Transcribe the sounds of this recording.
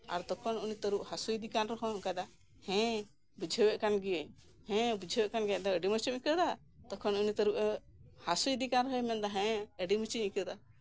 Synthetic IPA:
a̰ɾd̪ɔkʰɔnunit̪əɾuʔhasujid̪ikanɾɔɦɔ̃ɔ̃kajd̪a | hɛ̃ | bud͡ʒʱəwɛʔkanɡiəɲ | hɛ̃bud͡ʒʱəwɛʔkanɡɛd̪ɔəɖimət͡ʃiɲikəd̪a | d̪̥ɔkʰɔnunit̪əɾuʔ | hasujid̪ikanɾɔɦɔjmɛnd̪aɦɛ̃əɖimət͡ʃiɲikəd̪a

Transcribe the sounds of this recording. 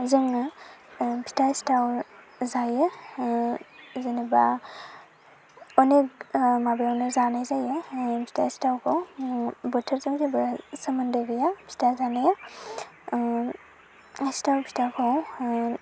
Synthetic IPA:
zɯŋ | pʰi̥tastaw | zajɯ | zɯneba | ɔnek̚mabjawnɯzanajzajɯpʰi̥tastawkʰowbɔtʰəɾzɯŋzebɯsəmɐndɯɡɯjapʰi̥tazanaja | stawpʰitakʰow

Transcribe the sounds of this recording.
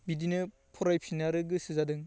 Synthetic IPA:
bidinɯ | pʰɔɾajpʰinaɾɯɡɯsɯzadɯŋ

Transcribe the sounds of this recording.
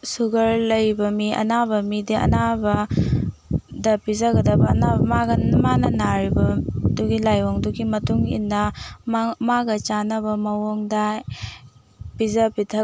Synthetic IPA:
suɡɐɾlɐjbɐmiɐ̰nabɐmidiɐ̰nabɐ | dɐpizɐɡɐdɐbɐnabmaɡɐnmanɐnaɾibɐduɡilajoŋduɡimɐtuŋḭnːɐ | maɡɐt͡ʃanɐbɐmɐwoŋdɐ | pizɐpitʰɐ

